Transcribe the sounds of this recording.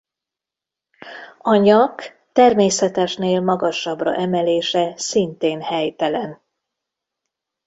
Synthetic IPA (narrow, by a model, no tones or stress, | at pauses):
ɒɲɒk | t̪ɛrmeːsɛt̪ɛʃneːlmɒɡɒʃɒbrɒ̰ʔɛmɛleːʃɛsint̪eːnhɛjt̪ɛlɛn